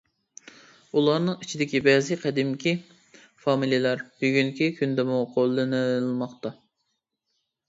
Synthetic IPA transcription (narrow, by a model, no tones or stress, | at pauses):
ulˠɑɾnɨŋit͡ʃʰid̪ɪkʲibɛzɪqʰɛd̪ɪmkʲʰi | fɑmilijelæɾb̥yɡʲyŋkʲikʲʰynd̪ɛmuqʰolˠːɨnɨlˠmɑqt̪ɑ